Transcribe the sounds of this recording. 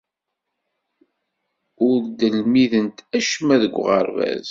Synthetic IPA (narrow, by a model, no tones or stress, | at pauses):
ʊɾd̪əlmiðənt̪æʃəmæðəɡʷːʁəɾvæ̰z